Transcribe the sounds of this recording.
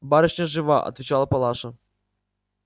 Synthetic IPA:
baɾɨɕnʲəʐɨvaʔɐ̰t̪vʲɪt͡ɕalˠəpɐlˠaʂə

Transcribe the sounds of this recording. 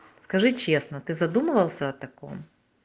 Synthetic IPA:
skɐʐɨt͡ɕʲesnɐt̪ɪzɐd̪umɨvɐlˠsʲɐːt̪ɐkɔ̰m

